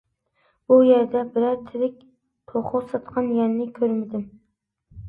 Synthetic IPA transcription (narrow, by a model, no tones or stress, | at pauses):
b̥ujæɾd̪ɛbɪɾæɾt̪ʰɪɾɪk̚ʲ | t̪ʰoχʊsɑt̪qʰɑnjɛnnɪkʲʰøɾmɪd̪ɪm